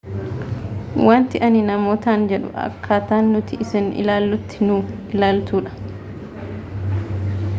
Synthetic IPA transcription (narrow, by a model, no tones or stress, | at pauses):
waːnt̪ɪʔɐnɪnɐmoːt̪aːnd͡ʒɛᶑʊ̰ʔɐ̰kʰːaːt̪aːnːʊt̪ɪʔɪsɪnɪ̰laːlːʊt̪ːɪ̥nʊɪlaːlt̪uːᶑɐ̥